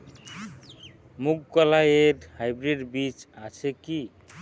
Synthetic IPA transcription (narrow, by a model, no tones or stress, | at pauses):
muɡkalajeɖhajbɾeɖbit͡ʃat͡ʃʰeki